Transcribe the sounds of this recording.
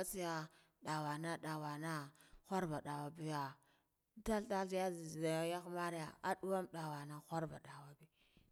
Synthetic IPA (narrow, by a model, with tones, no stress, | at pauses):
a˦t͡si˦ja˦ | ɗa˨wa˨na˦ɗa˨wa˨na˦xʷa˦ɾba˨ɗa˨wa˨bi˦ja˨ | ta˦lta˦lja˦˨˦ja˦xma˦ɾja˨a˦ɗu˦wa˦mɗa˨wa˨na˦xʷa˦ɾba̰˨ɗa˨wa˨bi˦